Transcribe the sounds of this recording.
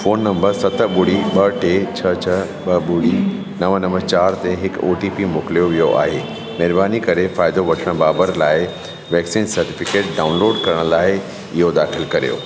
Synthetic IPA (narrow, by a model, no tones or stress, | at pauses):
foːnːɐ̃mbəɾsɐt̪ʰə̆ɓʊɽiɓɐʈet͡ɕʰɐt͡ɕʰɐ | ɓɐɓʊɽ̤i | nɐʋənɐʋət͡ɕaːɾt̪eɦɪko̰ːʈiːpimoːklijoʋijoʔa̰ːɦeː | mɛɦɾbaːnikɐɾefaːɪd̪oʋɐʈʰəɽ̃baːbəɾlaːɪ | ʋɛːksiːnsɐɾʈɪfɪkeːʈ̚ɖaːʊnloːɖkɐɾəɽ̃laːɪ | ɪɦod̪aːxɪlkɐɾijo̰ː